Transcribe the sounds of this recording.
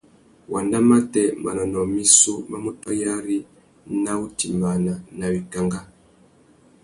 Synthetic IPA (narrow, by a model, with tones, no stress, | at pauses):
wʔa˨nda˦ma˦tɛ˨ma˨na˨nɔ˨mi˦su˦ma˦mu˦ta˦ja˦ɾi˦ | na˦u˦ti˨ma˨na˨na˨wi˨ka˨ŋɡa˦